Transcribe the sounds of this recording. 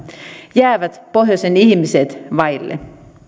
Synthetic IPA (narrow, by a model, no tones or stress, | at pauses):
jæːʋæt̪po̞ɦjosenihmiset̪ʋɑjlːḛ